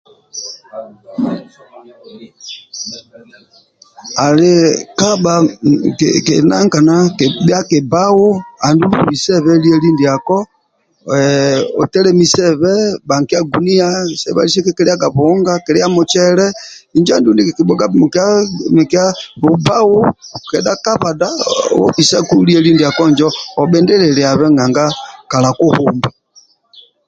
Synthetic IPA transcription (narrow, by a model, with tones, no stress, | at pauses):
a˨le˨ka˦ba˨ | kḛ˨na̰˦ŋ˦ka˨na˦˨ba˦ke˨ba˦wo˦a˨ndu˦lṵ˦˨βi˨sɛ˦βɛ˦li˦ɛ˦li˦ndi˨a˨kɔ˦ | ɛ˨o̰˨tɛ˦ɾɛ˦mi˨sɛ˦˨βɛ˦ba˨ŋ˨ki˦a˦ɡu˨ni˦a˦sɛ̰˨βa̰˦li˦sɛ˦kɛ˦kɛ˦ɾɛ˦a˦ɡa˨βɔ˨˦ŋɡa˦kɛ˨ɾɛ˦a˦mʊ˨t͡ʃɛ˦ɾɛ˦i˨nd͡ʒɔ˦a˦˨ndu˦ndi˦kki˨ɓɔ˨ɡa˦m˨ka˦mɛ˨ka˦βo˨ba˦wo˦kɛ˨da˦ka˦βa˨da˦˨wɔ̰˦pi˨sa˦ku˦li˦ɛ˦li˦ndi˨a˨kɔ˦˨nd͡ʒɔː˦˨ɓɛ˦ndɛ˦ɾɛ˨lɛ˨a˨βɛ˦ŋɡa˨ŋɡa˦ka˨la˨ko˦hu˨mbɛ˨